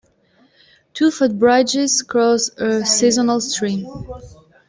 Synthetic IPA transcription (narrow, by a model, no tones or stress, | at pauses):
tʰufʊt̚bɹaɪd͡ʒɪzkʰɹɔsəsizɔnəlstɹ̥ĩm